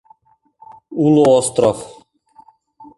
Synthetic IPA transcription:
unɔɔst̪ɾɔf

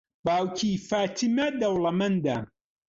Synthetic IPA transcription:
baːwcʰifaːt̪ʰimɐd̪ɐwlɐmɐnd̪a

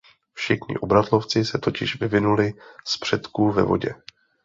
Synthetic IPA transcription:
fʃɪxɲɪ̰ʔo̞bɾat̪lo̞ft͡sɪsɛt̪o̞cɪʃvɪvɪnulɪspr̝̥ɛt̪kuvɛ̰vo̞̰ɟɛ̰

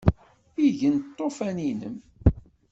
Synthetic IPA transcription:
iʝənt̪ˤːofæninə̰m

